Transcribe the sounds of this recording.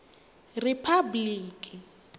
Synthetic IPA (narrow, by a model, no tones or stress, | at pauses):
rɪpʰabliːkʼi